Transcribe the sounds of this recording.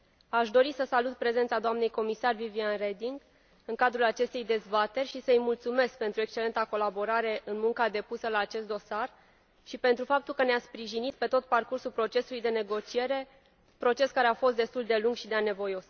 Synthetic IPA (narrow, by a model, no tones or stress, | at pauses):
aʃd̪o̞ɾisəsalut̪̚pɾe̞zent̪sad̪oamne̞jko̞misarvivianred̪iŋɡ | ɨŋkad̪ɾulat͡ʃe̞st̪e̞jd̪e̞zbat̪e̞rʲʃisəɨjmult̪sume̞sk̚pe̞nt̪ɾue̞kst͡ʃe̞le̞nt̪ako̞labo̞ɾaɾe̞ʔɨnmuŋkad̪e̞pusəlaːt͡ʃe̞st̪d̪o̞sar | ʃipe̞nt̪ɾufap̚t̪ulkəneaspɾiʒinit̪̚pe̞t̪o̞t̪̚parkursulpɾo̞t͡ʃe̞sulujd̪e̞ne̞ɡo̞t͡ʃie̞ɾe̞ | pɾo̞t͡ʃe̞skaɾeafo̞st̪d̪e̞st̪uld̪e̞luŋɡʃid̪eane̞vo̞jo̞s